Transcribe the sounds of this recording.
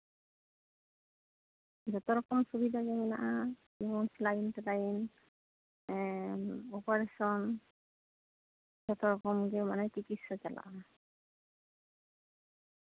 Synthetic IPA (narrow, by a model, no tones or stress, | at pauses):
d͡ʒɔt̪ɔɹɔkɔmsubid̪ʱaɡemina̰ʔa | d͡ʒibɔnslajintlajin | ɔpaɹesɔn | d͡ʒɔt̪ɔɾɔkɔmɡemanɛkikitsɔt͡ʃala̰ʔa